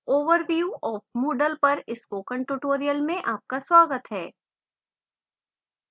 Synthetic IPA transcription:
oːʋəɾʋjuːʔɔːfmoːɖəlpɐɾɪskokə̃ɳʈʊʈoːɾijəlmẽʔaːp̚kaswaːɡət̪ɦɛː

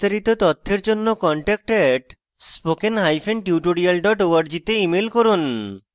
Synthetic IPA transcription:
t̪aɾit̪ot̪ɔt̪ʰːeɾd͡ʑonːokɔɳʈɛk̚ʈɛʈ | spokenɦajfʰenʈiuʈoɽialɖɔʈoaɾd͡ʑit̪eimelkoɾun

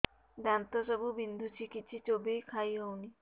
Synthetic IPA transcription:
d̪ɛnt̪asabubind̪ʱut͡ʃʰikit͡ʃʰit͡ʃobijkʰajɦɔwni

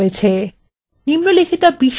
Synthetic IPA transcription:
et͡ɕʰe | nimlolekʰit̪abiʃ

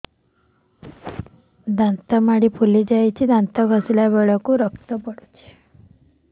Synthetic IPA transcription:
d̪ant̪əmaɽipʰulid͡ʑajt͡ɕid̪ʱãnt̪əɡʱəsljaʋeɭəkuɾəkt̪əpəɽut͡ɕe̥

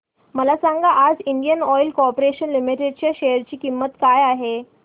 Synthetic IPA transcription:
məlasaŋɡaʔad͡ziɳɖijənɔjlkɔɾpoɾeɕənlimiʈeɖ̚t͡ɕjaɕejəɾt͡ɕiːkimːət̪kajaɦe

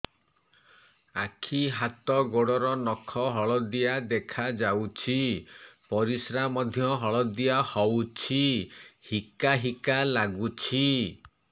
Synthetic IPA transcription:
akʰiɦat̪ɔɡoɽɔɾɔnɔkʰɔɦɔɭɔd̪ijad̪ekʰad͡ʒawt͡ʃʰipɔɾisɾamɔd̪ʱjɔɦɔɭɔd̪ijahɔwt͡ʃʰihikaɦikalaɡut͡ʃʰi

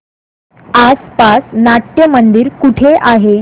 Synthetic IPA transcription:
aspasnaʈjəmənd̪iːɾkuʈʰeʔaɦe

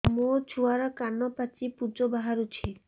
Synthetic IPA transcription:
mot͡ʃʰuaɾɔkanɔpat͡ʃipud͡ʒobaɦaɾut͡ʃʰi

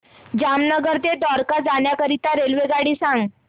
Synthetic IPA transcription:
d͡ʑamnəɡəɾd̪ed̪ɔɾkad͡zaɳjakəɾit̪aɾelʋeɡaɽiːsãŋɡ

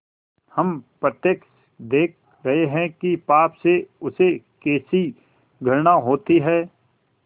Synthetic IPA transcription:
hɐmpɾət̪jəkʃ | d̪eːk̚ʰ | ɾɐɦeɦɛ̃kipaːpseʊsekeːsi | ɡʱɐɾnaɦoːt̪iɦɛː

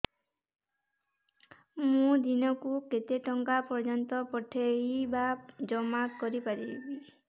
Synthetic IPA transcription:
mũd̪inɔkuket̪eʈɔŋkapɔɾd͡ʒɔnt̪ɔpɔʈʰːeibad͡ʒɔmakɔɾipaɾibi

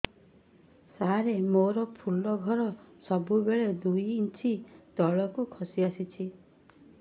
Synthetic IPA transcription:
saɦaɾemoɾɔpʰulɔɡʱɔɾɔsɔbubeɭed̪ujːnt͡ʃʰit̪ɔɭɔkukʰɔsiasit͡ʃʰi

